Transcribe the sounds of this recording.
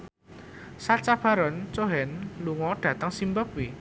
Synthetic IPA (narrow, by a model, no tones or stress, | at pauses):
sat͡ʃab̥a̤ɾɔnt͡ʃoɦɛnluŋɔɖ̪̥ä̤t̪əŋsimbək̚wi